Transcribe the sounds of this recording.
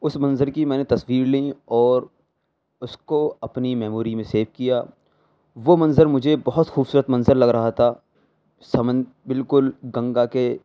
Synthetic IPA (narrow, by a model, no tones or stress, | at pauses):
ʊsmɐ̃nzəɾkimɛ̃ːnet̪ɐswiːɾliɔːɾ | ʊskoɐpnimɛːmuːɾimẽseːfkijaː | ʋomɐ̃nzəɾmʊd͡ʒʱebɔɦʊt̪xuːbsuːɾət̪mɐ̃nzəɾlɐɡɾɐɦat̪ʰa | sɐmə̃n | bɪlkʊlɡɐ̃ŋɡake